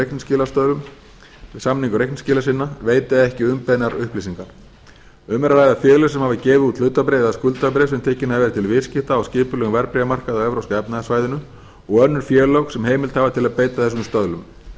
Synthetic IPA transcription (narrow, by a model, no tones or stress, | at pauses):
ejknscɪːlast̪œðlʏm | ɪsamniŋkʏɾejknscɪːlasɪnːaveːjt̪ɪðaɛhcɪʏmpɛðnaɾʏhplisiŋkaɾ̥ | ʏmɾalaːjðafjɛːlʏ̥sɛmhavðɪcɛːvɪðut̪lʏːt̪apɾeːðaskʏlt̪ap̬ɾesɛmt̪ʰɛːcɪnaðvɛːɾɪt̪ʰɪlvɪscɪht̪aːwscɪːpʏlɛɣvɛɾpɾɛjamar̥kaðawɛvɾowskaɛpnaðɪsvaːjðɪnʏ | ɔɣœnːʏɾ̥fjɛːlowxsɛmheːjmɪlt̪havat̪ʰɪlaðpeːjt̪aθɛs̬ʏmst̪œðlʏm